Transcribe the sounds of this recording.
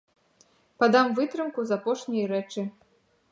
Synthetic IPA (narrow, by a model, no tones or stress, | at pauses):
pad̪ɑmvɨt̪ɾɨmkuzapoʂnʲijɾɛt͡ʂɨ